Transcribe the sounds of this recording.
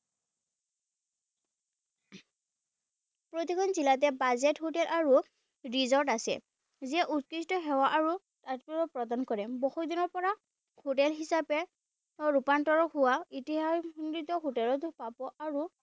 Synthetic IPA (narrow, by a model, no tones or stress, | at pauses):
pɹotikʰɔnzilat̬ɛbazɛtɦotɛlʔaɹu | ɹizɔɹtasɛ̰ | ziɛʔut̚kistɔɦɛwaʔːɹu | tatpɔɔpɹɔdankɔɹɛbɔxudinɔɹpɔɹa | hotɛlɦisapɛ | ɹupantɔɹɔhʊwaitiɦanitɔɦotɛlɔtpapɔʔaɹu